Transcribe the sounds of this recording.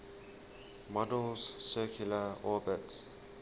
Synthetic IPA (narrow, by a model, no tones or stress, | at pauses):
mɔdəlssɛkʰjuləɔːbət